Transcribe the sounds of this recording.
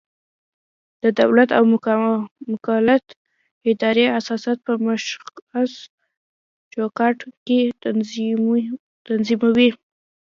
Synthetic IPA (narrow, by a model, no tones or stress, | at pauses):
d̪̥əd̪awlat̪a̰w | mʊkalat̪ | ɪd̪ɑɾeasɑsjɑt̪̚pəmaʃas | d͡ʒokɑʈke | t̪anzimawi